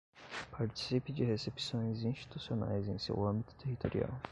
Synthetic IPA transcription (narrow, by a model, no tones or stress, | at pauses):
paɾt͡ʃi̥sipɪd͡ʒɪɦesepsõj̃zĩst͡ʃi̥t̪usiona̰jzẽj̃sḛwɐ̃mbit̪ʊ̥t̪eɦit̪oɾḭa̰w